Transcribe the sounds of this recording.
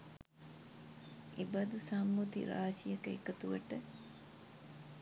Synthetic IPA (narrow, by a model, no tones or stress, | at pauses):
ʔebɐd̪usɐmːut̪ḭɾa̰ːsijɐkekət̪uʋɐʈə